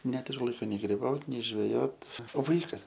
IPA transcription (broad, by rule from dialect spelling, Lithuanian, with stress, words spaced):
ˈnʲæːtʊrʲʊ ˈlˠɐɪkoː nʲɛɪ ɡrʲɪˈbɐʊt nʲɛɪ ʒʲʋʲɛˈjoːt oː ˈʋɐɪkɐs